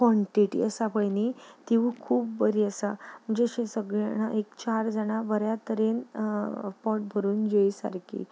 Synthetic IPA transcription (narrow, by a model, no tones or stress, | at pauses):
kʋɔɳʈiʈḭəsapəɭnit̪iʋũkʰuːpbəɾiəsam̤əɳd͡zeɕẽsəɡɭaña̰ʔekt͡ɕaɾd͡zəɽ̃abəɾjat̪əɾen | pɔʈ̚bʱəɾuːnd͡ʑeisa̰ɾkʰḭː